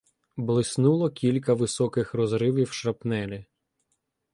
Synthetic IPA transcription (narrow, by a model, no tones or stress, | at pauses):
blˠɪsnulˠɔkʲilʲkɐʋɪsɔkɪxrɔzɾɪʋiwʃɾɐpnɛlʲɪ